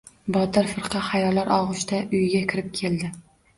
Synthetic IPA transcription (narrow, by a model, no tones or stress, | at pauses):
bɒt̪ʰɪɾfɨɾqʰɑχajɒlaɾɒʁʊʃt̪ʰaʔʊjɡʲakʲʰɪɾɪp̚kʲʰe̞ld̪ɪ